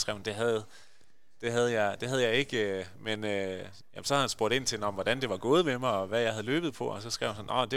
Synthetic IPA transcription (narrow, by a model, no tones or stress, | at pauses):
sɡ̥ʁɛ̰ʊnd̥e̝ɦæð̩ˠ | d̥e̝ɦæð̞ˠjɑ̈ɪd̥e̝ɦæð̞ˠjɑ̈ɪe̝ɡ̥ømenø | jæmsɒ̽hæðhænsb̥o̝ɐ̰ɾ̥e̝n̰t͡sʰe̝dnɒ̽mʋɒd̥ænd̥e̝ʋɑ̈ɡ̥o̝ːð̞̩ˠmemɑ̈ɒ̽ʋæjɑ̈ɪɦæð̞̩ˠlø̰ːb̥ð̩ˠpʰɒ̽ɒ̽sɒ̽sɡ̥ʁɛ̰ʊ̰hænsɒ̽nʔɒ̰d̥e̝